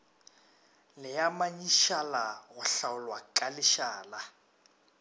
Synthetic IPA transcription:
lɪjamaɲiʃalaɣʊɬaʊlwakʼalɪʃaːla

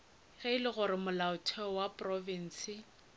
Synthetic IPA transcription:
ɣɛɪlɪɣʊɾɪmʊlaʊtʰɛɔwapʼrɔvin̩ːsɪ

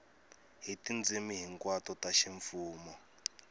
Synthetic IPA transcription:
ɦitind͡zimiɦiŋkwatɔtaʃiɱfuːmɔ

